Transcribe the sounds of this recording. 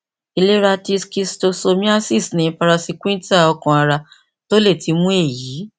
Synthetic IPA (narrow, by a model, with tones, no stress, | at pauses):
i˧le˦ɾa˧ti˧ski˧sto˧so˧mĩ˦a˦si˦˨snĩ˨˧˦pa˧ɾa˧si˧kʷĩ˦ti˦a˦˨ɔ˧kɔ̃˧a˧ɾa˧ | to˦le˦˨ti˧˦mũ˦e˦˨jiː˨˦